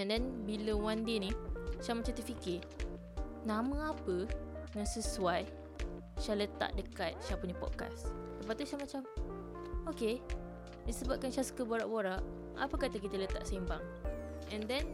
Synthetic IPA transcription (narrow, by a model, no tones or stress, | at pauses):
ɛndɛnbiləwandenĩʃamat͡ʃamt̪əfikɪ | nãmə̃apənaŋsəsuaj | ʃalət̪a̰ʔdəkat̪̚ʃapuɲəpɔ̰t̪̚ka̰sdəpat̪uʃamat͡ʃam | oke | disəbap̚kanʃasə̥kəboɾaʔboɾaʔ | a̰pəkat̪əkit̪ələt̪a̰ʔsaimbaŋ | ɛndɛn